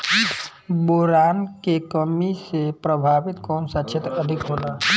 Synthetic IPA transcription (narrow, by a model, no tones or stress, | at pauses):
boːɾaːnkekəmisepɾəbʱaːʋɪt̪kɔːnsat͡ʃʰet̪ɾəd̪ʱɪkɦoːlaː